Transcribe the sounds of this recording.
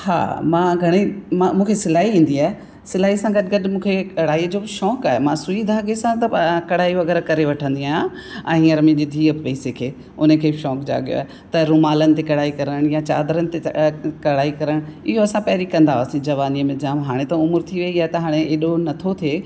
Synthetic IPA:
ha̰ːmãːɡʱɐɽ̃imãmũːkʰesɪlaːiĩːn̆d̪iaːɦe | sɪlaːɦisãɡɐɗɪɡɐɗmũːkʰekɐɽ̤aːiːd͡ʑoːʃɔːkaːɦemãsʊid̪ʱaːɡesãt̪ɐkɐɽ̤aːiʋɐɡɛːɾakɐɾeʋɐʈʰə̃nd̪iaːjã | ɛ̃ːɦĩːɐɾmẽd͡ʑeːd̪ʱiːəbɪpɐiːsekʰeː | ʊnəkʰeːʃɔːkd͡ʑa̰ːɠijo̰a̰ːe | t̪ɐɾʊmaːlənɪ̆t̪ekɐɽ̤aːikɐɾəɽ̃jãt͡ɕaːd̪ɾənɪ̆t̪ekɐɽ̤aːikɐɾəɽ̃ɪ̰ɦoɐsãpɐɦɪɾikɐ̃nd̪aɦosĩd͡ʑɐʋaːniəmẽd͡ʑaːmɦaːɽ̃ẽt̪ɐʊmʊɾt̪ʰiʋɐiaːet̪ɐɦaːɽ̃eeːɗonɐt̪ʰot̪ʰe

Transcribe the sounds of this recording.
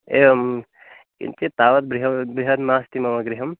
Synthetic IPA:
eːʋɐm | kḭnt͡ʃet̪aːʋɐt̪bɾiɦɐbɾiɦɐt̪maːst̪imɐmɐɡɾiɦɐm

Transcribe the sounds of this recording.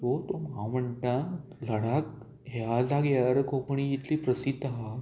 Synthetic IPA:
t̪ot̪omɦãm̤əɳʈ̪ãŋ | ləɽak | ɦad͡zaɡjaɾkopəɳ̃iːt̪lipɾəsid̪aɦa

